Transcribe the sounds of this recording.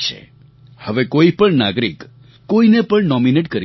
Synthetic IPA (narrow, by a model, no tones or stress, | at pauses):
t͡ʃʰḛ | həʋekoipəɳna̰ɡɾikː | oinepəɳnɔmineʈkəɾi